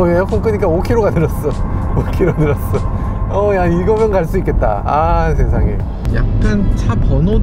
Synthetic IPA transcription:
eok͈ʰʌk͈ɯɲik͈aokʰiɾoɡanɯɾʌs͈ʌokʰiɾonɯɾʌs͈ʌ | ʌjaiɡʌmjʌnkaɭs͈uik͈e̞t̚t͈a̰asʰeŋsʰaŋe̞̰jo | ja̰k̚k͈ant͡ɕʰapʌno

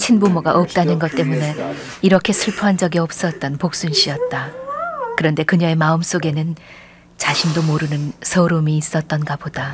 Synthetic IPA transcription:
t͡ɕʰinbomoɡaʔʌp̚t͈anɯnɡʌt͈̚e̞mune̞ | iɾʌkʰe̞sʰɯɭpʰoɦand͡ʑʌɡiʌp̚s͈ʌt̚t͈ʌnpok̚s͈unɕ͈iʌt̚t͈akɯɾʌnde̞kɯɲʌe̞maɯms͈oɡe̞nɯn | t͡ɕaɕʰindomoɾɯnɯnsʰʌɾumiːs͈ʌt̚t͈ʌnɡabod̥a

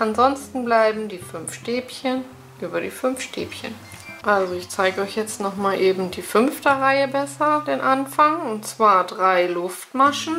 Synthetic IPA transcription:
ʔanzɔnstn̩blaɪbm̩diːfʏnfʃteːpçən | ʔyːbɐɾḭːfʏmfʃtḛːpçə̰n | ʔalzoɪçt͡saɪɡəɔʏçjɛt͡stnɔχmaːlʔeːbm̩diːfʏnftɐʁaɪəbɛsɐd̥eːnʔanfaŋʊntt͡sv̥aːɐdʁaɪlʊftmaʃn̩

